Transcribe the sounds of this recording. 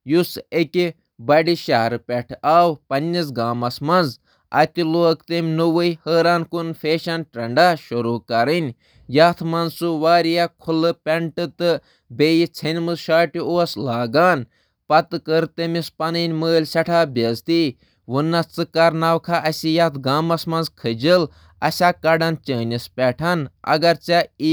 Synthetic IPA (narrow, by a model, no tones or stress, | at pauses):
jusekʲi | bɐɖiʃɐɦɐɾpʲɛʈʰaːwpɐnʲːis̬ɡaːmɐsmɐnz | ɐ̰t̪iloːkt̪emʲnuʋɨjhəːɾaːnkunfeːʃɐnʈɐɳɖaːʃuɾuːkɐɾɨnʲ | jaːt̪ʰmɐnzsuʋaːɾijakʰulɨpʲɛɳʈɨt̪ɨ | beːjit͡sʰɐnʲmɨzʃaːʈioːɐslaːɡaːn | pɐt̪ɨkəɾt̪emispɐnɨnʲməːlʲsʲɐʈʰaːbʲɐzt̪i | ʋunːɐt͡sɨkɐɾnaːwkʰaʔɐsʲijat̪ʰɡaːmɐsmɐnzkʰɨd͡ʒil | ɐ̰sʲakɐɖɐnt͡ʃəːnʲispʲɛʈʰɐnɐ̰ɡɐɾt͡ʃai